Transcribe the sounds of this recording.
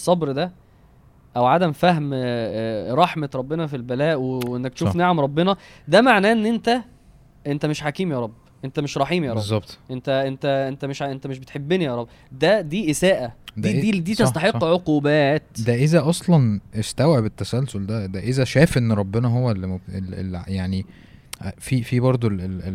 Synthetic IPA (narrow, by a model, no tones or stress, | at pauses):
sˤːɑbɾd̪æ | ʔæwʕad̪æmfæɦm | ɾˤɑħmeɾˤɑbːenɑfilbælæːʔweenːæk̚t̪ʃuːfnaʕamɾˤɑbːenɑd̪æmaʕnæːʔenːʔent̪æ | ʔent̪æmeʃħakiːmjɑːɾˤɑbːʔent̪æmeʃɾˤɑħiːmjɑɾˤɑzbzˤːɑb̚t̪ʔent̪æʔent̪æʔent̪æmeʃʔent̪æmeʃbet̪ħebːenijɑɾˤɑbː | d̪æd̪iːʔesæːʔæd̪d̪id̪iːt̪est̪ɑħeqːʕoquːbæːt̪d̪æʔezæʔɑsˤlɑnʔest̪æwʕebet̪ːæsælsold̪æd̪æʔezæʃæːfʔenːɾˤɑbːenɑɦowːælːmoelḛljaʕni | fifibɑɾˤd̪ˤolel